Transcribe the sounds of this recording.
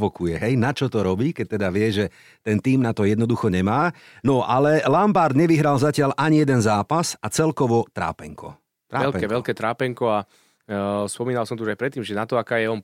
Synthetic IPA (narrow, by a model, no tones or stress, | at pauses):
ʋɔkujɛɦɛjnat͡ʃɔt̪ɔɾɔbiːkɛc̚t̪ɛd̪aʋɪɛʒɛ | t̪ɛnt̪iːmnat̪ɔjɛd̪nɔd̪uxɔɲɛmaː | nɔʔalɛlampaɾd̪ɲɛʋiɦɾalzacɪalʔaɲijɛd̪ɛnzaːpasat͡sɛlkɔʋɔt̪ɾa̰ːpɛŋkɔ̰ | t̪ɾaɛlpɛkɛʋɛlkɛːt̪ɾaːpɛŋkɔa | spɔmiːnalsɔmt̪ɔuʒajpɾɛt̪ːiːmʒɛnat̪ɔakaːjɛɔn